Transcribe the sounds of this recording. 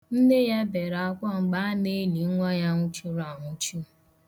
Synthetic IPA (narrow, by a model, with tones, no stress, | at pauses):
n̩˦ne˦ja˦be˨ɾa˨a˦˨kʷɔ˦ŋ͡m̩˨ɡ͡ba˦ne˦li˨˦ŋʷa˦ja˦ŋʷʊ˦t͡ʃi˦ɾa˨ŋʷʊ˦t͡ʃi˦˨